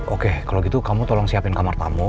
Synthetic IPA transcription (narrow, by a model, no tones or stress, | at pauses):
ʔokekaloɡit̪ukamut̪ɔlɔŋsiapɪnkamart̪amu